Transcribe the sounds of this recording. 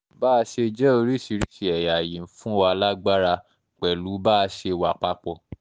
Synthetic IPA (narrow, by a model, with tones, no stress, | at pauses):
baː˦˧ʃe˧d͡ʒɛ˦o˧ɾi˦˨si˧ɾi˦ʃi˨ɛ˨ja˨jĩ˨fũ˦˨a˧la˦ɡ͡ba˦ɾa˧ | k͡pɛ˨lu˨˦ba˦˧ʃe˧wa˨k͡pa˦k͡pɔ˧